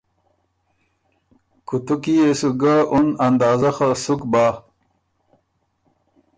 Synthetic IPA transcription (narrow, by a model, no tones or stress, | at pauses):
kut̪ukiesuɡaʔunand̪ɑːzɐxasukbaː